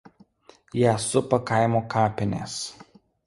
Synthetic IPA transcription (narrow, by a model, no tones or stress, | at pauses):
jæsʊpɐkɐɪmoːkʰɑːpʲɪnʲḛːs